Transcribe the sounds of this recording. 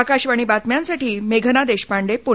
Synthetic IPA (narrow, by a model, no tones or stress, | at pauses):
akaɕʋaɽ̃iːbat̪mjãnsaʈiːmeɡʱnad̪eɕpaɳɖepo